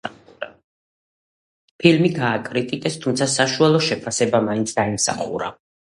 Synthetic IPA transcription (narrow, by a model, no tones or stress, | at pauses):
pʰilmiɡaːkʼɾit̪ʼikʼɛst̪ʰumt̪sʰasaʃualˠɔʃɛpʰasɛbamaint̪sʰd̪aimsa̰χṵɾa̰